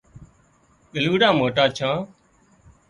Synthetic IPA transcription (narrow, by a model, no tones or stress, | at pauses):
ɓɪluːɽãːmoːʈaːt͡ʃʰãː